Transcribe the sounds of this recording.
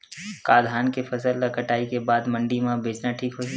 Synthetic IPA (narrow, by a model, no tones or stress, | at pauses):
kaːd̪ʱaːnkefʰɐsəlːɐkəʈaːikebaːd̪mɐ̃ɳɖimãbʱeːt͡ʃnaʈʰiːkɦo